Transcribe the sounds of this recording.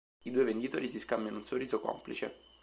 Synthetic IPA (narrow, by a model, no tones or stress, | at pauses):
id̪uːevend̪it̪oːɾisiskambjanounsoriːzokɔ̰mplḭt͡ʃḛ